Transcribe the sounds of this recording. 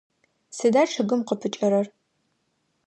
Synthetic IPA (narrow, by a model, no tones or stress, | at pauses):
sɨdaːʈ͡ʂʰɨɣɨmqəpʰɨt͡ʃʼɐɾɐr